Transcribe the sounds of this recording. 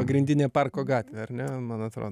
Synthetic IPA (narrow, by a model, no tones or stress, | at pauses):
ɐɡɾʲɪnʲd̪ʲɪnʲeːpɑrkoːɡɑːt̪ʲʋʲeːɐɾnʲɛmɐnɐt̪ɾo̰ː